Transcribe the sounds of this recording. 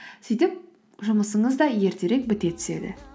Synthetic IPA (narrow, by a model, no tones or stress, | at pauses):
sijt̪ɪp̚ | ʒʊməsəɴəzd̪ɑje̞ɾt̪e̞ɾe̞k̚bɪt̪e̞t̪ʰɪ̥se̞̰d̪ɪ̰